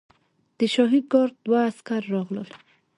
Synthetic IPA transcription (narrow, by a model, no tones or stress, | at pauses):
d̪̥iʃɔɦiɡɔɾt̪waːskaɾːɔɣlɔl